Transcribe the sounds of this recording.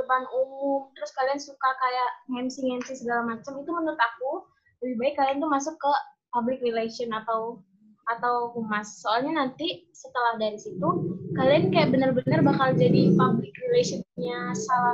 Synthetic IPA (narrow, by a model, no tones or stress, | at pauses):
dəpanumʊmt̪əɾʊskaliansukakajaʔhɛmsiŋɛnsihsəɡalamat͡ʃamit̪umənɾʊt̪aku | ləbibaɪkːaliant̪umas̬ʊkːə | pablɪkrilasiɔnat̪aw | at̪awkumasːoalɲanant̪isət̪əlahdaɾisit̪ukaliankajaʔbənərbənərbakald͡ʒadipablɪkrilasiɔnɲasala